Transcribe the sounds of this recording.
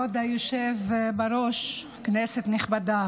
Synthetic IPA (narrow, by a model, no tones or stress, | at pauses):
od̪ajoʃevbaɾoʃ | kneset̪neχbad̪a